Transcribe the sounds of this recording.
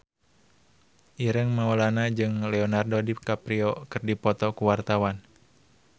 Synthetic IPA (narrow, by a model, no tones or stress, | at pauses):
ʔiɾəŋmaolanad͡ʒɨŋlɛɔnardodip̚kapɾiɔkɨrdipɔt̪ɔkuwart̪awan